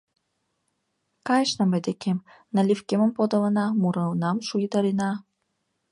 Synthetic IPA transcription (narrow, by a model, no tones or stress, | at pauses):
kɑjʃnɤ̆mĕd̪ʲekʲʰem | nɑlʲifkʲemɘ̆mpod̪ɤ̆lɤ̆nɑmuɾɤ̆lnɑmʃujd̪ɑɾinɑ